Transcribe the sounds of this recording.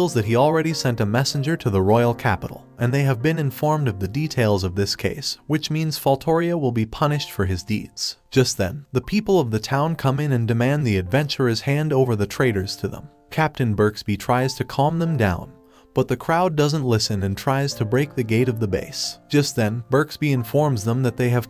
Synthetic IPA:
lˠzðɨt̚hil̩ˠɹɛɾisɛ̃ntɨmɛsn̩d͡ʒə˞ɾɨðəɹɔɪl̩ˠkʰæ̰pə̰ɾl̩ˠʔɨ̃nðeɪɨvbɨ̃nɨ̃ɱfɔɹmdʌvðɨditʰeɪlˠzʌvðɪskʰḛɪswɨt͡ʃmĩnz̥fɔlˠtʰɔɹiɨwəlˠbipʰʌnɨʃtfə˞ɨzdḭdz̥d̥ʒ̥ʌst̪̚ðɨ̰̃nðɨpʰipl̩ˠʌvðɨtʰãʊ̃nkʰʌ̃mɨ̃nɨ̃ndɨmæ̃nðiɨdvɛ̃nt͡ʃə˞ɨz̥hæ̃ndoʊvə˞ðɨtʰɹ̥eɪɾə˞z̥tʰɨðə̰̃m | kʰæp̚tɨ̃nbɜ˞ksb̥itʰɹ̥aɪz̥tʰɨkʰɑmðə̃mdãʊ̃n | b̥ʌt̪̚ðɨkʰɹ̥aʊdʌzə̃n̩ʔˡlɪsɨ̃nɨ̃ntʰɹ̥aɪz̥tʰɨbɹeɪk̚ðɨɡeɪɾʌvðɨbḛɪsd̥ʒ̥ʌst̪̚ðɨ̃nbɜ˞ksb̥iɨ̃ɱfɔɹmzðə̃mðɨt̪̚ðeɪɨv̥

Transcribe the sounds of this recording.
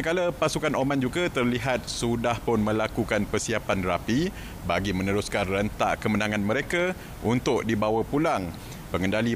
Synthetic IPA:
kaləpasukanomãnd͡ʒuɡat̪ərliɦat̪̚sudahpʊnmə̃lakukanpərsiapanrapi | baɡimə̃nəɾʊskanrənt̪a̰ʔkəmənãŋanmə̃ɾeka | unt̪ʊk̚dibawapulaŋ | pəŋəndali

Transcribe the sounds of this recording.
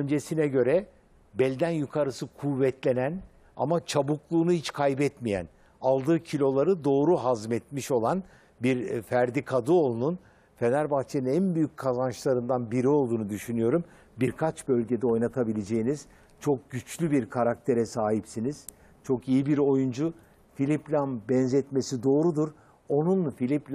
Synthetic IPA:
ønd͡ʒe̞sinɛɟø̞ɾɛ | bɛlʲd̪ænjukʰaɾɯsɯkʰuvɛt̪lʲe̞næn | a̰mat͡ʃʰabuklˠuːnuhit͡ʃkʰajbɛt̪mijæ̰n | alˠd̪ɯːcʰilʲo̞lˠaɾɯd̪o̞ːɾuɦazmɛt̪miʃo̞lˠan | biɾfæɾd̪ikʰad̪ɯo̞lˠunun | fe̞næɾbaxt͡ʃʰeninænbyjyc̚ʲkʰːazant͡ʃlˠaɾɯnd̪anbiɾio̞lˠd̪uːnud̪yʃynyjo̞ɾum | biɾkʰat͡ʃbø̞lʲɟe̞d̪ɛo̞jnat̪ʰabilʲed͡ʒejiniz̥ | t͡ʃʰo̞k̚ɟyt͡ʃlʲybiɾkʰaɾak̚t̪ʰe̞ɾɛsaːɦipsiniz̥ | t͡ʃʰo̞kijibiɾo̞jund͡ʒu | filʲiplʲanbɛnzɛt̪me̞sid̪o̞ːɾud̪uɾ | o̞nunfilʲiplʲ

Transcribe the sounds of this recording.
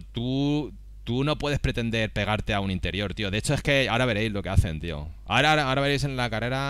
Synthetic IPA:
t̪u | t̪uno̞pwe̞ð̞e̞spɾe̞t̪e̞nd̪e̞ɾpe̞ɣaɾt̪e̞aunint̪e̞ɾjo̞ɾt̪io̞ðe̞et͡ʃo̞e̞ske̞aoɾaβ̞e̞ɾe̞jzlo̞ke̞aθe̞nt̪io̰a̰ɾaaoɾaβe̞ɾe̞jse̞nlakare̞ɾa

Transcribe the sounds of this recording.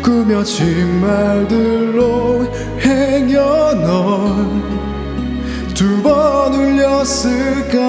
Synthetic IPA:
kumjʌt͡ɕimmaɭdɯɾo | heŋjʌnʌn | t̪ubʌnuʎːjʌsɯɭka

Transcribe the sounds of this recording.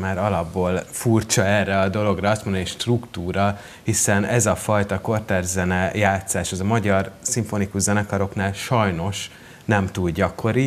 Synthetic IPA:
maːɾɒlɒbːoːlfurt͡ʃɒɛrːɛɒd̪o̞lo̞ɡrɒɒst̪mond̪niʃt̪rukt̪uːɾɒ | hisɛnɛzɒfɒjt̪ɒko̞rt̪ɛrzɛnɛjaːt̪saːʃɒzɒmɒɟɒrsiɱfo̞nikuʒzɛnɛkɒɾo̞knaːlʃɒjno̞ʃ | nɛmt̪ud̪ɟɒkʰo̞ɾi

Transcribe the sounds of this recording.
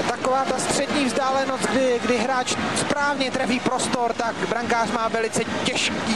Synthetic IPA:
t̪akovaːt̪ast̪r̝̥ɛdɲiːvzdaːlɛnost̪̚ɡdɪɡdɪɦɾaːt͡ʃspɾaːvɲɛt̪ɾaviːpɾo̞st̪o̞ɾt̪akbɾaŋkaːrmaːvɛlɪt͡sɛcɛʃkiː

